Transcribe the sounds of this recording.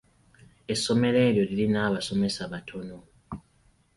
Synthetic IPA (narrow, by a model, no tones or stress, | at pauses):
e̞sːo̞me̞le̞ːɾjo̞lilinaːβaso̞me̞saβatʰo̞no̞